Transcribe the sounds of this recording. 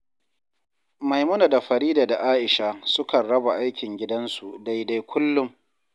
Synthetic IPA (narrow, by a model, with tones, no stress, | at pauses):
ma˨jmʊ˦na˨da˨ɸɐ˨ɾiː˦daː˨da˨ʔaː˦ʔɪ˨ʃa˦sʊ˦kɐ˨nɽɐ˦ba˨ʔa˦jkʲɪ˨ŋɡʲɪ˦dɐ˦nsu˨da˦jda˦jkʷʊ˦lːʊ˦m